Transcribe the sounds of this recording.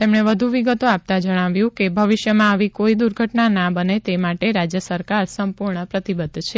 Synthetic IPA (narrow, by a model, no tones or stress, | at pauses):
t̪emɳeʋəd̪ʱuʋiɡət̪oap̚t̪ad͡ʒəɽ̃aʋjũkebʱəʋɪʃjəmãaʋikoid̪uɾɡʱəʈnanabənet̪emaʈeɾad͡ʒjəsəɾkaɾsəmpuɾɳəpɾət̪ibəd̪ʱt͡ʃʰe